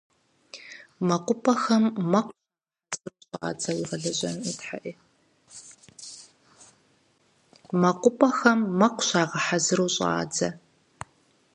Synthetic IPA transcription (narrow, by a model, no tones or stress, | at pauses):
mɐqʷʊpʼɐxɐmːɐqʷa | zɨruɕʼa̰ːd͡zɐwiʁɐɮɐɕʼɐnitħa̰ʔiː | mɐqʷʊpʼɐxɐmːɐqʷɕaːʁɐħazɨruːɕʼa̰ːd͡zɐ